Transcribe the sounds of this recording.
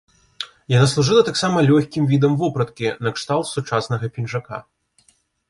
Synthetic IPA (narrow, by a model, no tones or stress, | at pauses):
janaslˠuʐɨlˠɐt̪aksamɐlʲɔxʲkʲimvʲid̪ɐmvɔpɾɐt̪kʲinɐkʂt̪alˠt̪sut͡ʂasnɐɣɐpʲinʐaka̰